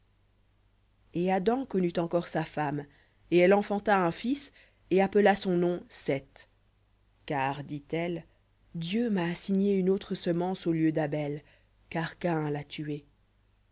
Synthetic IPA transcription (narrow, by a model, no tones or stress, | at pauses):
ead̪ɑ̃kɔnyt̪ɑ̃kɔʁsafam | eɛlɑ̃fɑ̃t̪aɛ̃fis | eapəlasɔ̃nɔ̃sɛt̪ | kaːʁd̪it̪ɛl | d̪jømaːsiɲeynot̪χəsəmɑ̃soljød̪abɛl | kaʁkaɛ̃lat̪ye